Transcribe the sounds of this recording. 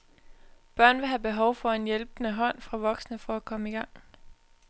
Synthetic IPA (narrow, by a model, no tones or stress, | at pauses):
b̥ɶɐ̰nʋe̝ɦæb̥e̝ɦɒʊfɒ̽e̝njelb̥nəɦɒ̽n̰fʁɑ̈ʋɒ̽ɡ̥snəfɒ̽ækʰɒ̽məiɡ̥ɑ̈ŋ̰